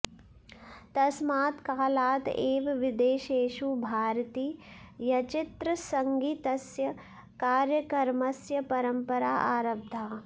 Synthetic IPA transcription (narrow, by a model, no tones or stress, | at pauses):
t̪ɐsmaːt̪kaːlaːt̪eːʋʋɪd̪eːʃeːʃubʱaːɾt̪iː | jɐt͡ʃɪt̪ɾɐsɐŋɡit̪ɐsjɐ | kaːɾjɐkɐɾmɐsjɐpɐɾɐmpɐɾa̰ːʔaːɾɐb̚d̪ʱaː